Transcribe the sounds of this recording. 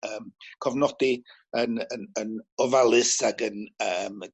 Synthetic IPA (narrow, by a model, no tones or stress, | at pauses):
əːmkʰɔvnɔd̥i | ənənənɔvalˠɨsaɡənəːm